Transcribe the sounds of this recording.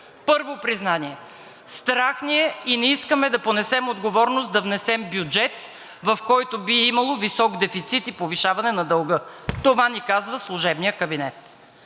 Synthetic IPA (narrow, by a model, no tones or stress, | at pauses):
pɤɾvopɾiznaniɛ | st̪ɾaxniɛinɛiskəmɛd̪ɐponɛsɛmod̪ɡovɔɾnost̪d̪ɐvnɛsɛmbjud͡ʒɛt̪ | vɐfkɔjt̪ʊbiimɐlˠovisɔɡd̪ɛfit̪sit̪ipoviʃavɐnɛnɐd̪ɐlˠɡɤt̪ovanikazvəslˠuʒɛbnijəkəbinɛt̪